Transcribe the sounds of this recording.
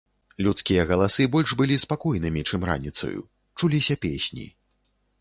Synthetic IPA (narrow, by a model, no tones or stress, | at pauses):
lʲut̪skʲijɐɣɐlˠasɨbɔlʲʐbɨlʲispakɔjnɨmʲit͡ʂɨmɾa̰nʲit̪sɐ̰jṵ | t͡ʂulʲisʲɐpʲesʲnʲḭ